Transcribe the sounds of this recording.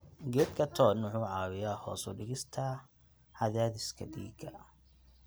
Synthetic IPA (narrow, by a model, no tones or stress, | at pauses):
ɡɛːd̪̚kʰɐt̪ʰɔːnʊħʊːʕɑːwɪjaːhɔ̰ːsɔɖɪɣɪst̪ʰɐ | ħɐðaːðɪskʰɐd̪ḭːɡɐ̰